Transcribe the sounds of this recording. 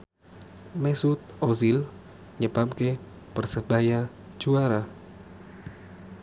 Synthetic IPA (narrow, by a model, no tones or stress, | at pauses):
mɛsut̪̚ozil | ɲəbamke | pərsəb̥ajḁ | d͡ʒ̥uaɾa